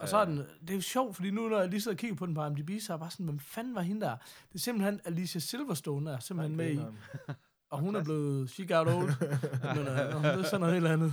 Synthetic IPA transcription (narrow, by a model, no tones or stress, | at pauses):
ɒ̽sɒ̽æɐd̥end̥e̝oɕɒʊ̰̥fɒd̥ḭːnunɒjɑliseðˠɐkʰiɡ̥ɐpʰɒd̥en̩pʰɑ̈jm̩dib̥iːssɑ̈ɪb̥ɑ̈ːsɒ̽n̩ʋemfænʋɑ̈ɦind̥æɐd̥e̝semb̥l̩henælisæse̝lʋɐsd̥ɔːnəæɐse̝mb̥l̩henmei | ɒ̽ɦunæɐb̥le̝ːð̩ˠɕiɡ̥ɑ̈ʊɾoʊlmennɔd̥eɐsɒn̩ːˠe̝ːdlænð̩ˠ